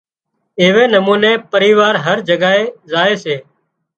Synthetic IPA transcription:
eːʋeːnəmuːnẽːpəɾiːʋaːɾɦəɾd͡ʒəɠaːeːzaːeːseː

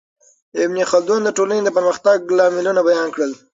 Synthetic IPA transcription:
ɪbnixɑld̪ond̪əʈolaned̪əpəɾməxt̪aɡlɑmɪlunabajɑnkɽəl

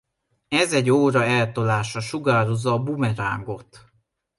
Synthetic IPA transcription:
ɛzɛɟːoːɾɒɛlt̪olaːʃɒʃuɡaːɾozːɒːbumɛɾa̰ːŋɡo̞t̪

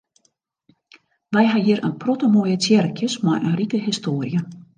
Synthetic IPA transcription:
ʋɛjɦaɦiəɾə̰npʰrɔtəmojət͡sʰjɛrkʰjəsma̰jʔənrikəɦistoːərjə

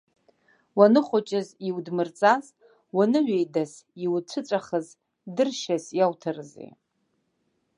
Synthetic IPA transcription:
wanɨχʷʊt͡ʃʼɪziwdmɨrt͡sʼaz | wanɨɥejdasiwt͡ɕʷʰɨt͡sʷʼaχəz | dɨrʃasjawtʰarzḛ

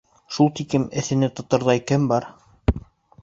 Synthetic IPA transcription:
ʃulˠt̪ikɘmɘ̆θɘ̆nɘt̪ŏt̪ɤ̆ɾðɑikænbɑɾ

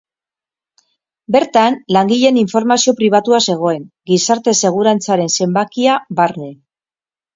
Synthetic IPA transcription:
be̞ɾt̪anlaŋɡiʎe̞niɱfo̞ɾmasio̞pɾiβ̞at̪uase̞ɣ̞o̞e̞ŋɡisaɾt̪e̞se̞ɣ̞uɾant͡saɾe̞nse̞mbakiaβaɾne̞

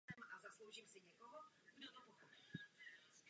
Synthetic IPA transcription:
ɛmʔazaslowʒiːmsɪɲɛkoɦo | ɡdot̪opoxopi̥

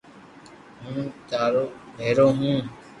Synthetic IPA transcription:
ɦũːt̪aːɾoːbʱeːɾoːɦũː

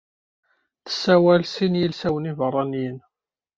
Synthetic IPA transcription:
θə̥sːæwælsinjilsæwənivərˤːɑnjən

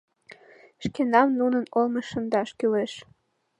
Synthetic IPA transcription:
ʃkenɑmnunənolmɤʃːə̆nd̪ɑʃkyleʃ

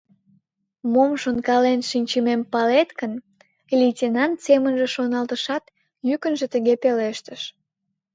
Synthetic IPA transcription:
momʃonkɑlenʃinʲt͡ɕəmempɑlet̪kən | lʲitʲenɑnt̪semənʒĕʃonɑlt̪əʃɑt̪ | jykənʒĕt̪əɣepeleʃt̪əʃ

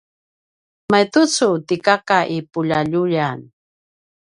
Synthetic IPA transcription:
majt̪ʊt͡sut̪ikakaʔipuʎaʎuʎan

